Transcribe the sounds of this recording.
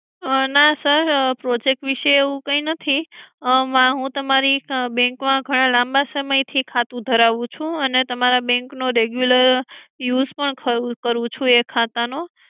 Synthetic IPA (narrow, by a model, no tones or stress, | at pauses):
nasəɾpɾɔd͡ʒek̚ʈʋiʃeeʋũkəinət̪ʰi | mãɦũt̪əmaɾibɛ̃ŋkmãɡʱəɽ̃ãlãmbasəməjt̪ʰikʰat̪ũd̪ʱəɾaʋũt͡ʃʰũənet̪əmaɾabɛ̃ŋknoɾeɡjuləɾjuzpəɳkʰəkəɾũt͡ʃʰũekʰat̪ano